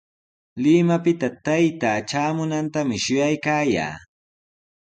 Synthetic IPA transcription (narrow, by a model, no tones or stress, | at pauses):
lɪmapɪt̪at̪ajt̪aːʈ͡ʂaːmʊnant̪amɪʃʊjajkaːja̰ː